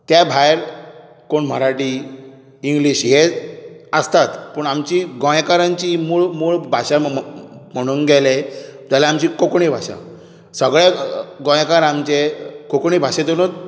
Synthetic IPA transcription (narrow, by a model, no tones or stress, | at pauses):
t̪jabʱajɾ | koɳm̤əɾaʈiː | ŋɡliɕɦe | əst̪at̪pəɳamt͡ɕiɡɔ̃jkaɾãɲt͡ɕimuɭmuɭbʱaɕa | m̤əɽ̃uːnɡɛlet̪jalaamt͡ɕikokɳibʱa̰ɕa̰ | səɡɭeɡɔ̃j̃kaɾamt͡ɕekokɳibʱaɕet̪onot̪